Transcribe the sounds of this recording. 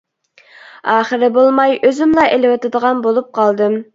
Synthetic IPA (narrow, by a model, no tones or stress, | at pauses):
ɑːχɨɾɪbolˠmɑjøzymlˠɑʔelɪwɨt̪ɨd̪əʁɑnbolˠup̚qʰɑlˠd̪ɨm